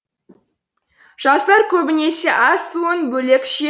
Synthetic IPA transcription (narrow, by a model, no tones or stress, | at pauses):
ʒ̥ɑst̪ɑɾkʲʰɵbɪne̞se̞ʔɑsːuənbɵlekʃe